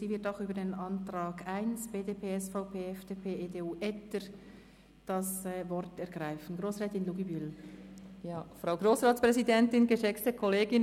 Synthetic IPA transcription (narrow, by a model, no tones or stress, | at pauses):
siːvɪɐtaʊxyːbədeːnʔɑntʁɑːɡaɪnsb̥eːdeːpʰeːɛsfaʊpʰeːɛfd̥eːpʰeːeːdeːuːʔɛtəɾ | d̥ɑsvɔɾtɛʁɡ̥ʁaɪfn̩ɡʁoːsʁɛːtɪnluɡibyl | jaːfɾaʊɡroːsʁaːtspʁɛzidɛntɪnɡəʃɛkt͡stəkʰɔleːɡɪn